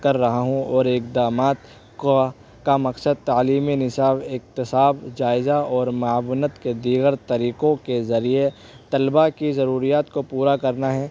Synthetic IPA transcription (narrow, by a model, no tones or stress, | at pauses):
kɐɾːɐɦaɦũɔːɾɪkd̪aːmaːt̪ | kamɐksəd̪̚t̪aːliːminɪsaːbɪk̚t̪ɪsaːbd͡ʒaːɪzaɔːɾmaːwnət̪ked̪iːɡəɾt̪ɐɾiːkõkezɐɾie | t̪ɐlbakizɐɾuːɾijaːt̪kopuːɾakɐɾnaɦɛː